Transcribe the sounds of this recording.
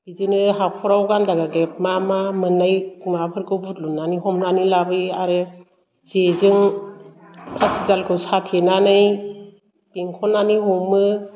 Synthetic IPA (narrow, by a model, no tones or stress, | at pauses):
b̥izɯnɯɦapʰɔɾawɡandaɡaɡep̚mamamɯnajmapʰɯɾkʰɯbut̚lunaniɦɔmnanilabɯaɾɯ | z̥ezɯŋ | pʰasizalkʰɯsatʰenanɯj | b̥iŋkʰɔnaniɦɔmɯ